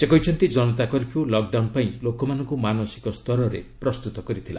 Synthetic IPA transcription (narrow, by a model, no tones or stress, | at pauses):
sekɔjt͡ʃʰɔnt̪id͡ʒɔnɔt̪akɔɾipʰiwlɔk̚ɖawnpaĩlokɔmanɔŋkumanɔsi̥kɔst̪ʰɔɾɔɾḛpɾɔst̪ut̪ɔkɔɾit̪ʰila̰